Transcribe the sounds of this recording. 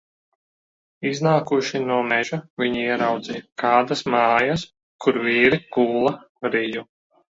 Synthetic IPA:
iznaːkuʃinuɔmɛʒavʲiɲiiɛɾawd̪zijkaːd̪asmɑːjas | kuɾviːɾiɡuːlˠa | ɾiju

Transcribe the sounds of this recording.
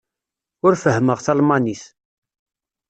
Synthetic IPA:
ʊɾfəɦməʁθɑlmɑniθ

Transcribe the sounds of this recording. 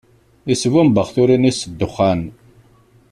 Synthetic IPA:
isvumbəχθʊɾinisəd̪ːʊχːan

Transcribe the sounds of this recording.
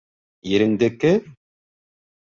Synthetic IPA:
jɘ̆ɾɘ̆nd̪ɘkɘ

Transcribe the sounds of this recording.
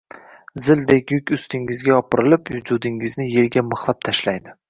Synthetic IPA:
zɪld̪ekʲjʊkʲʊst̪ɪŋɪzɡʲaɒpʰɨɾɪlɪpjʊd͡ʒʊd̪ɪŋɪznɪje̞ɾɡʲamɨχlˠap̚t̪ʰaʃlajd̪ɪ

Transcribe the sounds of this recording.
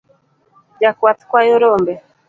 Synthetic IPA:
d͡ʒakuwat̪i̥kwajɔɾɔmbɛ

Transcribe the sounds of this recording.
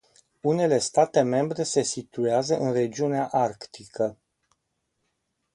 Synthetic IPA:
une̞le̞st̪at̪e̞me̞mbɾe̞se̞sit̪ueazəʔɨnre̞d͡ʒiuneaʔarkt̪ikə

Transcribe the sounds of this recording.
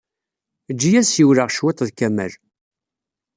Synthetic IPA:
d͡ʒːijæsjiwɾaʁʃwɪt̪ˤðkæmæ̰l

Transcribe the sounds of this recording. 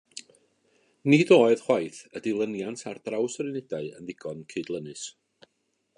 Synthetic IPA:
nɪdoːɨð̥χwajθədɪlˠənjantʰard̥rawsrɪnɛdaɨə̰nðɪɡ̥ɔnkʰɪdlˠənɨs

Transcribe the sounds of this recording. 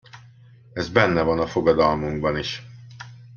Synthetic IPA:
ɛzbɛnːɛvɒnɒfo̞ɡɒd̪ɒlmuŋɡbɒniʃ

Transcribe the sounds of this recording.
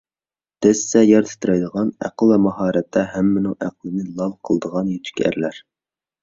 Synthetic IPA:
d̪̥ɛsːɛjɑɾt̪ʰɪ̥t̪ʰɾɛjd̪əʁɑnæ̰qəlˠvɛmɑɦɑːɾɛt̪ʰːɛɦæmːɪnɪŋʔæqlˠɨnɨlˠɑlˠqʰəlˠd̪əʁɑnjyt̪ʰy̥kʲæ̰ɾlæɾ

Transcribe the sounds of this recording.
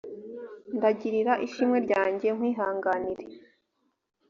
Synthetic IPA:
ndaɟiɾiɾaʔiʃimŋe̞ɾɟaːɲɟe̞ŋ̥wiːɦaːŋɡaniɾe

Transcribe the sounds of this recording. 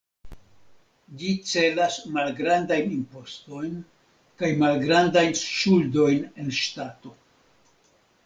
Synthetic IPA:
d͡ʒit͡se̞lasmalɡɾandajnimpo̞sto̞jn | kajmalɡɾandajnʃuldo̞jne̞nʃtato̞

